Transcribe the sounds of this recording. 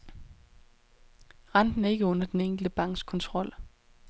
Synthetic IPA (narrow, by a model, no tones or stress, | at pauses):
ʁɑ̈nd̥n̩æɐe̝ɡ̥əɔ̽nɐd̥eneŋ̰ɡ̥l̩d̥əb̥ɑ̈ŋ̰ɡ̥skʰɒ̽nt͡sʰʁɒ̽l̰